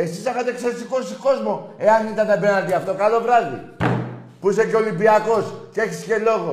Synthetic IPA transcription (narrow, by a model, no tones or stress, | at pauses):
e̞sisexɐt̪ekseɾisiko̞siko̞zmo̞e̞ɐnit̪ɐnːɐbeɾnɐt̪iaft̪o̞kalo̞vɾɐzðḭ | puiseceo̞limbiɐko̞scee̞çisce̞lo̞ɣo